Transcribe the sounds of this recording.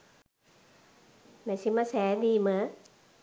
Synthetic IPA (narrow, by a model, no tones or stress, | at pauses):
nasimasɛːdiːma